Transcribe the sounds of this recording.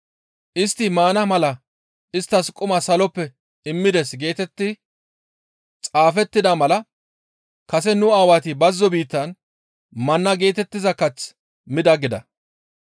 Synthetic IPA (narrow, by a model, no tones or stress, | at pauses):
ʔɪst̪ːɪmaːnɐmɐlɐ | ʔɪst̪ːɐskʼʊmɐsɐlɔpːɛ | ɪmːɪd̪ɛsɡe̞ːt̪ɛt̪ːɪ | t͡sʼaːfɛt̪ːɪd̪ɐmɐlɐ | kɐsɛnʊaːwat̪ɪbɐzːɔbiːt̪ːɐn | mɐnːɐɡe̞ːt̪ɛt̪ːɪzɐkɐt͡s | mɪd̪ɐɡɪd̪ɐ̰